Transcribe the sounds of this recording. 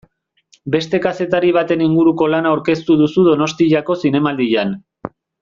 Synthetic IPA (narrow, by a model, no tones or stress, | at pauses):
be̞st̪e̞kase̞t̪aɾiβ̞at̪e̞niŋɡuɾuko̞lanauwɾke̞st̪uðusuð̞o̞no̞st̪iʎako̞sine̞mald̪iʎan